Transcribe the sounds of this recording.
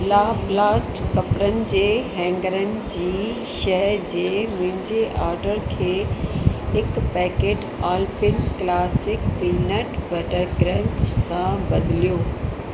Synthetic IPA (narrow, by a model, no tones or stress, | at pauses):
laːblaːsʈkɐpɾənɪ̆d͡ʑeːɦɛ̃ːŋɡəɾənɪ̆d͡ʑiː | ʃɐɦəɾd͡ʑeːmʊ̃ɦɪ̃ɲd͡ʑeʔaːɾɖəɾkʰeː | ɦɪkpɛːkeːʈ | aːlpɪnklaːsɪkpiːnəʈbɐʈəɾɡɾə̃ɲt͡ɕsãbɐd̪ɪlijoː